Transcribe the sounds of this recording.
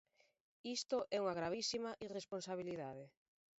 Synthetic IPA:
ist̪oʔɛuŋaɣɾaβisimɐʔiresponsaβiliðaðe

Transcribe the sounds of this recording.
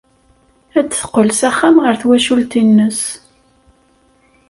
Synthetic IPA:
æt͡sːθə̥qəlsæχːæmʁəɾθwæʃult̪inːəs

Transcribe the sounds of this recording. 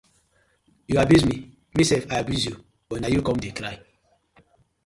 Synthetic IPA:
juabjuzmi | misɛfajabjuzju | b̥ɔnajukɔ̃mdekɾaɪ

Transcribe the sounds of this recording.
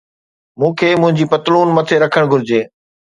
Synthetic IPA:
mũːkʰeːmʊ̃ɦɪ̃ɲd͡ʑiːpɐt̪luːnmɐt̪ʰeɾɐkʰəɽ̃ɡʱʊɾɪd͡ʑeː

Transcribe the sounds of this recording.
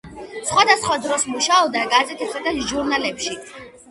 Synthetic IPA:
sχwad̪asχwad̪ɾɔsmuʃaɔbd̪aɡazɛt̪ʰisad̪aʒuɾnalɛpʃi

